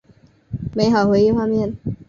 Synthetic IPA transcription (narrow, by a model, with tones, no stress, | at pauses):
me˧˥ɪxɑ˨˩ʊxwe˧˥ɪi˥xwa˥˧mjɛ˥˨n